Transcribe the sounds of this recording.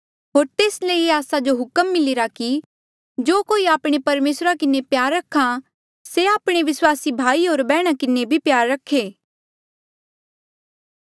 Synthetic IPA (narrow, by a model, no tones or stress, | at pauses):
ɦoːɾt̪eːsleieaːsad͡ʒoɦʊkəmːɪlɪɾaki | d͡ʒoːkoːiaːpɽ̃epɐɾmeːsɾakɪnepjaːɾːɐkʰa | seaːpɽ̃eʋɪswaːsibʱaːiɦoːɾbɛːɽ̃akɪnebʱipjaːɾːɐkʰeː